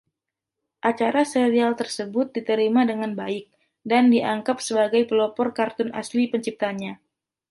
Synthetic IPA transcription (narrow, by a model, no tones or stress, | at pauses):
ʔat͡ʃaɾaseɾialt̪ərsəbʊt̪̚dit̪əɾimadəŋanbaɪk̚ | dandiʔaŋkapsəbaɡajpəlɔpɔrkart̪ʊna̰slipəɲt͡ʃip̚t̪aːnɲa